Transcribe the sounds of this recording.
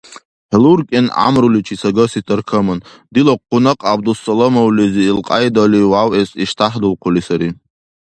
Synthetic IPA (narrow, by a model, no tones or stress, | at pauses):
ħlurkʼina̰mɾulit͡ʃʰisaɡəsitʰʼɨrkʰəmɨn | d̪iloqʰːʊnaqʼab̚d̪usːalamowliziːlqʼa̰jdaliwawesiʃtʰaħdɨlqʰʊlisaɾi